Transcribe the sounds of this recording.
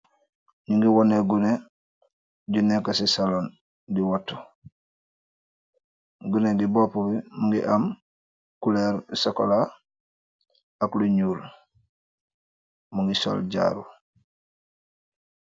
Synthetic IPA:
niŋɡiwɔneɡune | ɟunːekasisalon | diwatːo̥ | ɡuneɡibopubimuŋɡḭʔam | kuleɾsokola | akluɲuːl | muŋɡiso̰lɟa̰ːɾṵ

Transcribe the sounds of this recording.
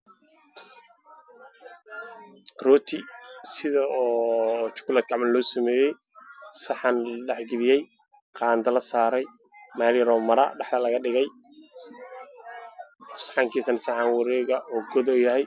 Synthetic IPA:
rɔːt̪ʰisɪðɐɔːt͡ʃʊ̥kʰʊlaːd̪̚kɑʕmɐnlɔːsɐmɛːjɛj | sɑħɑnɖɛħɡɪðɪjɛj | qɑːnd̪ɐlɐsaːɾɛj | maːlɪɾɔːmɐɾɐ̰ɖɑħd̪ɐlɐɣɐɖɪɣɛj | sħɑːŋkʰiːsɐnsɑħɑnwɑɾɛːɣɐʔɔːɡɔðɔjɐɦɛj

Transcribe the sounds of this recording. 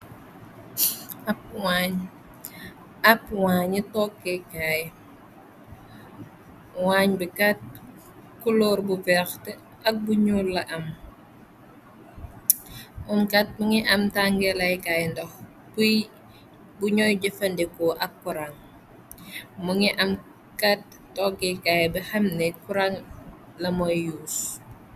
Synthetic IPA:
ap̚waɲ | apwaːɲitɔkːekaːj | waɲbikat̚ | kuloːɾbuvɛxtɛ | ɐk̚buɲulːɐʔɐm | mumkɐt̚muŋiʔɐmtaŋɡɛlɐjkajndɔx | puj | buɲɔjɟəfɐndɛkoʔɐkːuɾaŋ | muŋiʔɐm | kat̚ːɔɡɛkajbɐhɐmnɛkuɾaŋ | lɐmɔjjuːs

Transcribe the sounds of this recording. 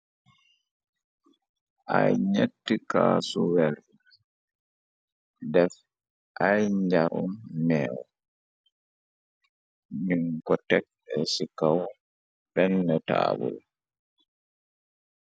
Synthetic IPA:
ʔajɲetːikaːsuwɛɾ | dɛf | ʔajɲd͡ʒaɾumːɛːwɔ | miŋkɔtɛk̚ɛsikaw | ɓɛnːɛta̰ːbṵl

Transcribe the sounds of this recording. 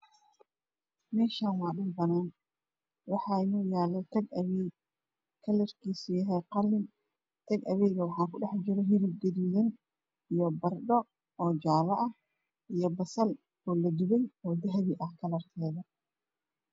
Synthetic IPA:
mɛːʃaːnwɑːɗʊnbɐnaːn | wɑħɑːɪnɔːjaːlɛt̪ʰɐɡɐβɛːɡ | kʰɐlɐrkʰiːsʊjɐɦɛjqɑlːɪn | t̪ʰɐɡɐ̰βɛjɣɐwɑħɑːkʊɖɛħd͡ʒɪɾɔɦɪɾɪɡ̪ɛɾɪjɐn | ijɔbɐrɖɔ | ɔːd͡ʒaːlɐʔɐh | ʔijɞbɐsɐl | ɔːlɐd̪ɪβɛjɔːd̪ɐɦɐβiʔɐhkʰɐlɐrt̪ʰɛːðɐ

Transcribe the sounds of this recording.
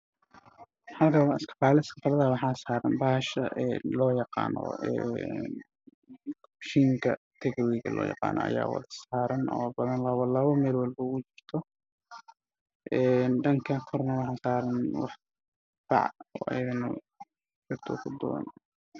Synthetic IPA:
ħɑlkʰɐwɑɪskɐ̥faːlɪskɐfalɐðɐwɑħɑːsaːɾɐnbɐhɐʃɐʔɛnlɔːjɑqɑ̰ːnɔ̰ɛ̰n | ʃiːŋkʰɐt̪ʰɛɣɛwɛɣɐ̰lɔ̰ːjɑ̰qɑ̰ːnɔ̰ɐ̰ja̰ːwɑ̰ðɐsaːɾɐnɔ̰ːbɐðɐnlɐβɐlɐβɐmɛːlwɑlbɐʊt͡ʃɪr̥t̪ʰɔ | ʔɛːnɖɐŋkʰɐkʰɔrnɐwɑħɑːsaːɾɐnwɑ̰ħ | fɑ̰ʕɔ̰ːʔɐ̰jɐðɐnɐ̰ | t͡ʃɪrt̪ʰɔ̰ːkʰʊd̪ɔ̰ːn

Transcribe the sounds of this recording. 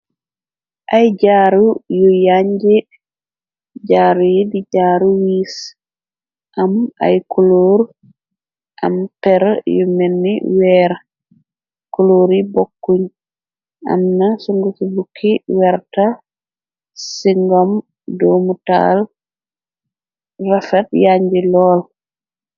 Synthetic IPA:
ʔajd͡ʒaːɾujɔjaɲd͡ʒɛ | d͡ʒaːɾujedid͡ʒaːɾuwiːs | ʔama̰jkuloːɾu | ʔa̰mpɛɾjɔmenːḭwɛːɾa | kuloɾibokːuɲ | ʔa̰mnasuŋɡusibukʰːiwɛɾta | siŋɡɔm | domuta̰l | rafɛtjaɲd͡ʒilɔl

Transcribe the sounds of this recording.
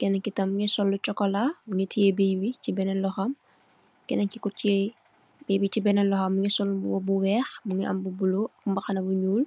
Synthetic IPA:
kɛnɐŋkitɐmmuŋɛsɔlːut͡ʃɔkɔlamuŋitʰijebeːbicibɛnɛnlɔxɐm | kɛnɐŋkikut͡ʃe | bebit͡ʃibɛnɛnlɔxɐmːuŋɛsɔlːbuwɔbuwɛːxmuŋɛʔɐ̰mbubuloʔɐkmbɐxɐnɐbuɲuːl

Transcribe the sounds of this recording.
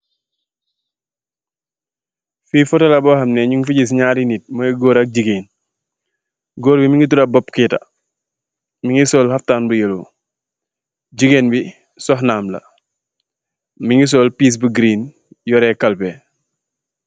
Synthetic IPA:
fiːfɔtɐlabɔhɐmnɛɲuŋfuɟis̬ɲaːɾinit̚mɐɡɔːɾak̚ɟiɡen | ɡɔːɾbimiŋit̬uɾɐbɔpkita̰ | miŋisɔːlhɐftaːnbujelu | ɟiɡeːnbi | sɔhnaːmlɐ̰ | miŋis̬ɔːlpiːs̬buɡɾiːn | jɔɾɛkɐlpɛ

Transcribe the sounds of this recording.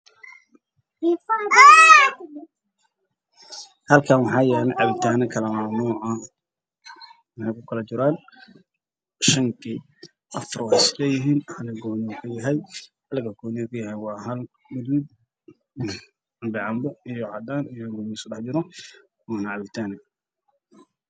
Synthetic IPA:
hɐlkʰaːmɑħɑːjaːnɐʕɑβɪt̪ʰaːnɐkʰɐlɐmaːmuːʕɐ | mɑħɑjkʊkʰɐlɐt͡ʃɪɾaːn | ʃɐŋkʰi | ʔɐfrwsɪlɛːjɪɦiːnhɐlɪɡɔːnɪkʰʊjɐɦɛjhɐlɪɡɐɡɔːnɪkʰɐjɐɦɛjwɑːɦɐl | mʊd̪id̪̚ | ɑmbɪʕɑmbɔijɔʕɑd̪aːnijɔɡɔːnɪsʊdɑħd͡ʒɪɾɔ | waːnɐʕɑβɪt̪ʰaːnɪ

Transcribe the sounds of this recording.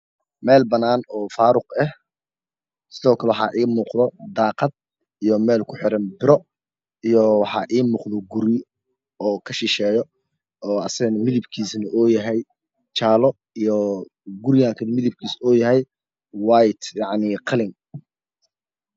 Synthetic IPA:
mɛːlbɐnaːnɔːfaːɾʊqɛh | sɪðɔːkʰɐlɛwħɑ̰ːʔiːmuːqd̪ɔd̪ɑːqɑd̪̚ | ijɔmɛːlkʰʊħɪɾɐnbɪɾɔ | ijɔwɑħɑ̰ːʔiːmuːqðɔɡʊɾɪ | ɔːkʰɐʃɪʃɛːjɔ | ɔːɐsɐɐnɐmɪðɪbkʰiːsnɐʔɔːjɐɦɛj | t͡ʃaːlɔ | ijɔ | ɡʊɾɪjaːŋkʰɐnmɪðɪb̚kʰiːsɔːjɐɦɛj | wajt̪jɑʕniːqʰɑlɪŋ

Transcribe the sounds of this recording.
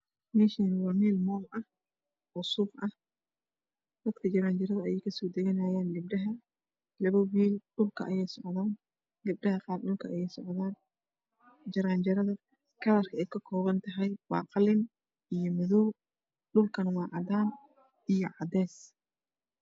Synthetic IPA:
mɛːʃɛːnwɑrmiːlmɔːmʔɐh | ʊsʊbʔɐh | d̪̥ɐd̪kʰɐt͡ʃɐɾaːnd͡ʒɐɾɐðɐɐjɛjkʰɐsɔːd̪ɐɣɐnaːjaːnɡɪbɖɐɦɐ | lɐβɐwiːlɖʊlkʰɐɐjɛjsɔʕðaːn | ɡɪb̚ɖɐɦɐqɑːrɖʊlkʰɐʔɐjɛjsɔʕðaːn | d͡ʒɐɾaːnd͡ʒɐɾɐðɐ | kʰɐlɐrkʰɐɛjkʰɐkʰɔːβɐnt̪ʰɐɦɛjbɑ̰ːqɑlɪn | ijɔmɐðɔw | ɖʊlkʰɐnɐwɑːʕɑd̪aːn | ijɞʕɑd̪ɛːs

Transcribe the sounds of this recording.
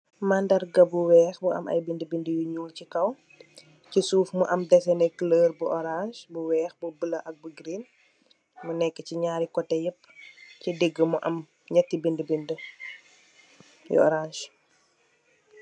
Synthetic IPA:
mandɐrɡɐbuwɛːxbuʔɐ̰mʔɐ̰jbindəbindəjuɲuːlcikɐw | cisuːfmuʔɐmdɛsɛnɛkləːrbuʔɔɾanʃbuwɛːxbubəlɐʔɐk̚buɡɾin | munɛkːəciɲaːɾikɔtːɛjəpːcideɡːəmuʔɐ̰m | ɲɐtːibindəbində | jṵɔ̰ɾanʃ

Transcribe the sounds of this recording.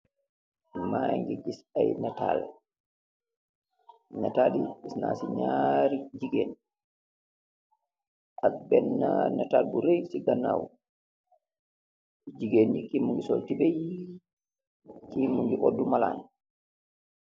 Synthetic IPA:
maŋɡɛɡisajnata̰l | ɲataɗiisna̰siɲaɾid͡ʒiɡen | ʔabɛnːanatalbuɾejsiɡanːa̰w | d͡ʒiɡenikimːuŋɡisoltibej | kimuŋɡiʔodːumala̰n

